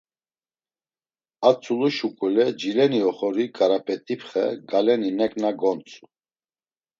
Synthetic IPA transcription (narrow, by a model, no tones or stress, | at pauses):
at͡sʰʼuluʃukʼulɛd͡ʒilɛniɔχɔɾikʼaɾapʼɛt̪ʼipʰχɛ̰ɡalɛninɛkʼnaɡɔnt͡sʰʼu̥